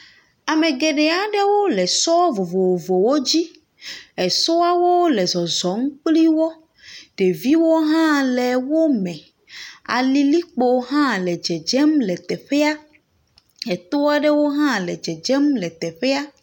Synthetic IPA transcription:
a˨mẽ˨ɡe˨ɖe˨a˨ɖe˦wo˦lɛ˨sɔ˦vo˨vo˨wo˨vo˨wo˦d͡ʑi˦ | ɛ˨so˦a˦wo˦lɛ˨zɔ˨zɔ˨˦ŋ̩˦k͡pli˦wɔ˦ | ɖ̥e˨vi˦wo˦ɦã˦lɛ˨wo˦mɛ̃˨ | a̰˨li˦li˦k͡po˨˦ɦã˦lɛ˨d͡ʒɛ˨d͡ʒɛ˦mlɛ˨t̪ɛ˨ɸɛ˦a˦ | ɛ˨t̪o˦a˦ɖɛ˦wo˦ɦã˦lɛ̰˨d͡ʒɛ˨d͡ʒɛ˦mlɛ˨t̪ɛ˨ɸɛ˦a˦

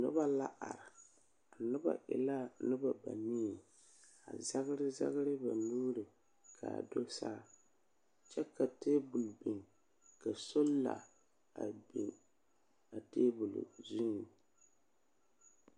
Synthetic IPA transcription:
nʊ̰˦ba˦la˦ʔa̰˨ɾɪ˨ | a˨nʊ˦ba̰˦˨ʔɪ̰˨la˦nɨ˦ba˨ba̰˨niː˦˨ | a̰˨za˦ɣɾɪ˦za̰˦ɣɾɨ˦ba˨nuː˦ɾɨ˨ | kʰa̰ː˨do˦saː˦˨ | t͡ʃɛ˦ka˨teː˦bʊ˨lbi˨ŋ | ka˨so˦lla̰˨ | a˨bḭ˨ | a˨teː˦bʊ˨l̰zʊ˦ŋ˨

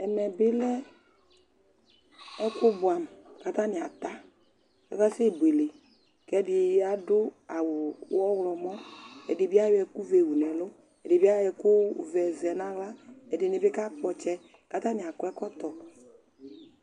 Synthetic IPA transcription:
ɛ˨mɛ˨bɪ˦lɛ˦ | ɛ˦kʊ˦bʊ˨a˨m˨ka˨˦t̪a˦nɪ˨a˨t̪a˦ | kɛ̰˦ka˦sɪ˦˨bu˨e˨le˨ | kɛ˦dɪ˨˦a˦dʊ˦a˨wʊ˨wɔ˦wlɔ˨mɔ̃˦ɛ̰˨dɪ˨bi˦a˦wɛ˨˦ku˦ve˨wu˨nɛ˨lʊ˦ | ɛ˨dɪ˨bi˦a˦ɛ˨kʊ˦˨vɛ˨zɛ˨nã˨˦ɣla˦ɛ˨dɪ˨nɪ˨bɪ˦ka˦k͡pɔ˨t͡ʃɛ˦ | ka˨˦t̪a˦nɪ̃˨a˨kʊ˨˦ɛ˦kɔ˦t̪ɔ˨

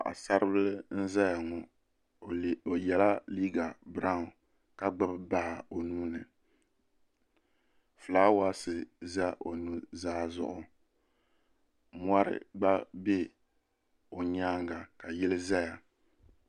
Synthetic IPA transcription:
ʔa̰˨sa˦ɾɨ˦bɨ˦lɨ˦n̩˦za˦ja˨ŋɔ˨ | o˨jɛ˨la˦liː˦ɡa˨bɾa˦˨ | ka˨ɡ͡bɨ˦bba˦ha˨o˨nuː˦nɨ˨ | fɨ˨laː˦wa˦sɨ˨za˦ʔo˨nu˦zaː˦zʊ̰˦ʔʊ˦ | mwa˦ɾɪ̰˦ɡ͡ba˦be˦ | o˨ɲaː˦ŋɡa˨ka˨jɪ˦lɨ˦za˦ja˨

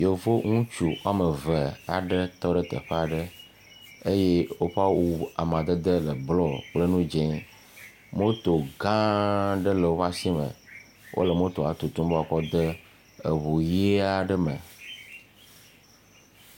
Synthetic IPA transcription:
jo˨vo˦ŋũ˦t͡ʃu˨wa˦mə˨və˨a̰˨ɖə˦t̪ɔ˦ɖə˦t̪ə̰˨ɸe˦a˨ɖə˦ | e˦je˦wo˦ɸa˦wu˦a̰˨m˨ã˨d̪ə˦d̪ə˦lə˨blɔ˦k͡plə˦nũ˦d͡ʒẽ˦ | mo˦t̪o˨ɡã˦ɖə˦lə˨wo˦βa˦si˦mə̰̃˨ | wʔo̰˦lə˨mõ˦t̪o˨a̰˨t̪u˨t̪ũ˦mbo˦ɔ˨kɔ˦d̪ə˦ | ə˨βo˨je˦a˨ɖə˦mə̰˨

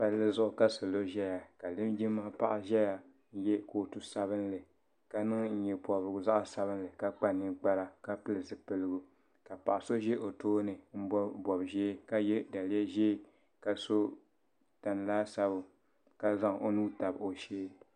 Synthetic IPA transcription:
pa˦llɨ˦zʊ˦ʔʊ˦ka˦so˨lo˦ʒɛ˦ja˨ka˨lɨ˦md͡ʒi˦ma˦pa˦ʔa˨ʒɛ˦ja˨˦ | jɛ˦ko˦tu˦sa˦βɨ˦n˦lɨ˨ | ka˦nɨ˦ŋn̩˦ɲɛ˨pɔ˨bɨ˨ɡza˦ʔa˦sa˦βɨ˦n˦lɨ˨ka˦k͡pa˦nːɨ˦ɡ͡ba˦ɾa˦ka˦pɨ˦lɨ˨zɨ˨pɨ˦lɨ˦ɡʊ˦ | ka˨pa˨ʔa˨so˦ʒɛ˦ʔo˨toː˦nɨ˨m̩˦bɔ˦bɔ˨bʒeː˦ka˦jɛ˦da˨lɛ˦ʒeː˦ | ka˨so˦ | ta˨n˨laː˦sa˦bʊ˨ | ka˦za˦ŋo˦nuː˦ta˨bo˨ʃeː˦

